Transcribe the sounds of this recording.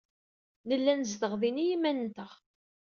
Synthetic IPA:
nəlːænzðəʁðinijimænnt̪əʁ

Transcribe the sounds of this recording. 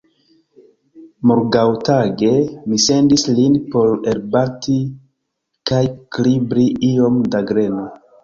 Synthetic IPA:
moɾɡawtaɡe̞mise̞ndislinpo̞ɾelbaɾtʰi | kajklibɾiʔio̞mdaɡɾe̞no

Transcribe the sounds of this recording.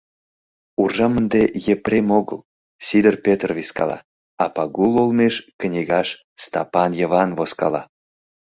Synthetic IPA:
urʒɑmənd̪ejeprʲemoɣə̰l | sid̪ərpʲet̪rviskɑ̰lɑ̰ | ɑpɑɣulolmeʃknʲiɣɑʃ | st̪ɑ̰pɑnjəβɑnvoskɑ̰lɑ̰

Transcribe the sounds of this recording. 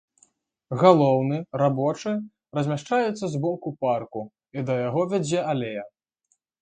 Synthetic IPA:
ɣalˠɔwnɨrabɔt͡ʂɨ | rɐzʲmʲaʂt͡ʂajut̪sːɐzbɔkuparku | id̪ɐjaɣɔvʲɛd͡zʲɛʔalʲejɐ

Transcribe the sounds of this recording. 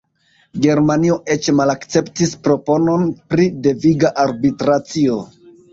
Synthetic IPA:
ɡe̞ɾmanio̞ʔe̞t͡ʃmalakt͡se̞ptispɾo̞po̞no̞npɾide̞viɡaʔaɾbitɾat͡sio̞

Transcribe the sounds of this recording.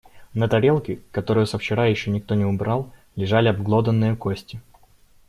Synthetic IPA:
nət̪ɐɾʲe̞lˠkʲɪkɐt̪o̞ɾɨjʊsəft͡ɕɪɾajɪɕːonʲɪk̚t̪o̞nʲɪʊbɾalˠ | lʲɪʐalʲɪɐbɡlˠo̞d̪ənːɨjʊkosʲtʲɪ

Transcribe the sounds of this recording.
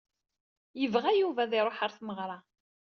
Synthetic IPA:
jəvʁæjuvæðɪɾˤoħaɾθməʁɾˤɑ

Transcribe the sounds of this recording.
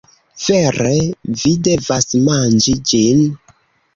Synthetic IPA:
v̥eɾevidevasmand͡ʒid͡ʒin

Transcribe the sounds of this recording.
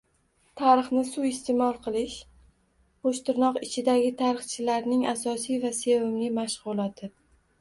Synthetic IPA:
t̪ʰaɾɨχnɪsuɪst̪ʰemɒlˠqʰɨlˠɪʃ | qoʃt̪ɪɾnɒqɪt͡ʃʰɪd̪aɡʲɪt̪ʰaɾɨχt͡ʃʰɪlaɾnɪŋasɒsijvase̞vɪmlɪmaʃʁʊlˠɒt̪ʰɪ

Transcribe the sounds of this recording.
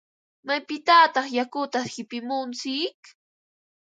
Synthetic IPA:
majpɪt̪aːt̪ɑχjakʊt̪ahɪpɪmʊnt͡sɪk

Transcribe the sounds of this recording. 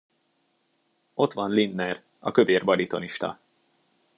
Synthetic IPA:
o̞t̪ʋɒnlinːɛr | ɒkø̞veːrbɒɾit̪o̞niʃt̪ɒ̰

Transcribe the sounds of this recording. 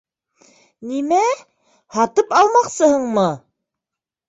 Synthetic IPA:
nimæ | hɑt̪ɤpɑlˠmɑqsɤhɤɴmɤ

